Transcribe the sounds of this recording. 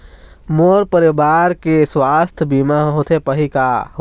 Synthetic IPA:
moːɾpəɾebaːɾkeswaːst̪ʰbiːmaɦot̪ʰepəɦikaɦ

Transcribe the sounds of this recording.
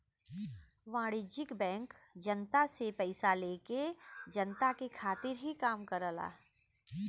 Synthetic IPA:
ʋãːɽɪd͡ʒɪkbɛ̃ːŋkd͡ʒənt̪asepɛɪsaleːked͡ʒənt̪akekʰaːt̪ɪɾɦikaːmkəɾəla̰ː

